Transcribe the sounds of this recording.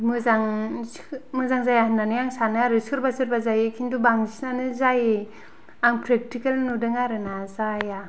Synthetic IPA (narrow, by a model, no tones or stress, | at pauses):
mɯzaŋ | mɯzaŋzajahɯndanɯjaŋsanɯaɾɯsɯɾbasɯɾbazajekʰindubaŋzisnanɯzaje | aŋpʰɾek̚tikelnudɯŋaɾɯnazaja